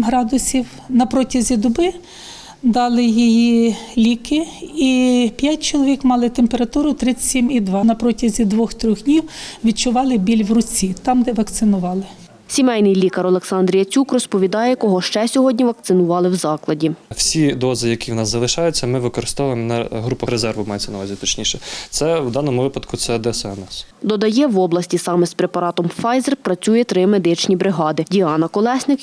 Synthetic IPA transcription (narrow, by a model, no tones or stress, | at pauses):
mɦɾɑd̪ʊsʲiw | nɐpɾɔtʲɐzʲid̪ʊbɪ | d̪ɑlˠɪjijilʲikɪipʲjat̚ʲt͡ʃɔlˠɔʋʲikmɑlˠɪt̪empeɾɐt̪uɾʊt̪ɾɪt͡sʲsʲimid̪ʋɑnɐpɾɔtʲɐzʲid̪ʋɔxt̪ɾʲɔxdʲnʲiwʋʲid̪̚t͡ʃʊʋɑlˠɪbʲilʲʋrʊt͡sʲit̪ɑmd̪ɛʋɐkt̪sɪnʊʋɑlˠɪ | sʲimɛjnɪjlʲikɐɾɔlˠeksɑnd̪ɾʲijɐt͡sʲukrɔspɔʋʲid̪ɑjɛkɔɦɔʃt͡ʃɛsʲɔɦɔdʲnʲiʋɐk̚t̪sɪnʊʋɑlˠɪwzɑklˠɐdʲiwsʲid̪ɔzɪjɐkʲiwnɑszɐlˠɪʃɑjʊt͡sʲːɐmɪʋɪkɔɾɪst̪ɔʋjɪmnɐɦɾupɐɾezɛrʋʊmɑjet͡sʲːɐnɐʋɑzʲit̪ɔt͡ʃnʲiʃɛt̪sɛwd̪ɑnɔmʊʋɪpɐd̪kʊt̪sɛd̪ɛsɛɐnɛsd̪ɔd̪ɐjɛʋɔblˠɐsʲtʲisɑmɛspɾepɐɾɑt̪ɔmfɑjzerpɾɐt͡sʲujɛt̪ɾɪmed̪ɪt͡ʃnʲibɾɪɦɑd̪ɪdʲiɑnɐkɔlˠɛsʲnɪk